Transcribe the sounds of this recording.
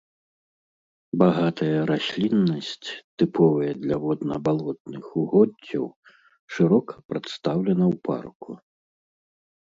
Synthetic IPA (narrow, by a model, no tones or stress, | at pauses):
baɣat̪ʰɐjɐɾasʲlʲinːɐsʲt͡sʲt̪ɨpʰɔvɐjɐd̪lʲɐvɔd̪nɐ̰balˠɔt̪̚nɨxuɣɔd͡zʲːɐ̰w | ʂɨɾɔkɐ̥pɾɐt̪st̪awlʲɛnɐwpʰa̰rkṵ